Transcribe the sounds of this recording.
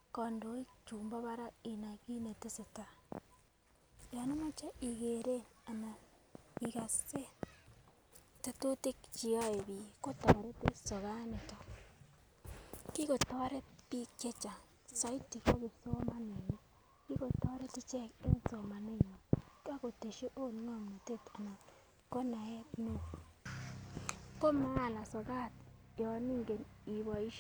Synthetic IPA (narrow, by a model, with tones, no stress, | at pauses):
ko˨ndo˨i˦t͡ʃuːmba˦βa˦ɾa˦i˨na˨ɣi˦ne˨te˦se˨ta˨ | ja˨no˦ma˦t͡ʃe˦ʔi˨ɣeɾe˦a˨na˨ | i˨ɣa˨se˦ | ta˨to˦te˦kt͡ʃi˨o˦e˨βiko˦to˨ɾe˦te˦so˨ɣa˦ne˨to˨ | ki˦ɣo˨to˦ɾe˦pi˦ke˦t͡ʃa˨ | sɔ˦i˦ti˨ko˦ɡi˨so˦ma˦ne˨nɔ˦ | ki˦ko˨tɔ˦ɾe˦tɪ˦t͡ʃɛ˦˨ke˦so˨ma˨ne˦ɲɔ˨ta˦ko˨te˨ʃo˦ʔo˦nɔ˦˨mno˨te˦ta˨nɔ˨t | ko˦na˨ɛ˦tno˦ | ko˦ma˦a˦˨na˨sɔ˨ɡa˦tjɔ˨˦ni˦ŋɡe˨ni˨βɔ˨i˦ʃ